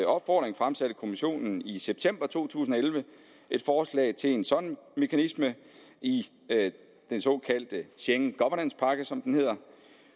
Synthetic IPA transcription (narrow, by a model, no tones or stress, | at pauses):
ɒ̽b̥fɒ̰ːd̥ʁeŋfʁamsæɾ̥əkʰo̝miɕo̝̰ːnn̩iseb̥̚t͡sʰem̰b̥ɐt͡sʰo̝̰ːt͡sʰṵːsn̩ɒelʋə | ʔe̝d̥fɒːslɛ̰ːɪt͡sʰe̝lensɒ̽nme̝kʰænismə | ʔi | d̥ensɒ̽kʰæl̰d̥əɕeŋɡ̥ɒʋɐnænspʰɑ̈ɡ̥əsɒ̽md̥enhe̝ð̰ˠɐ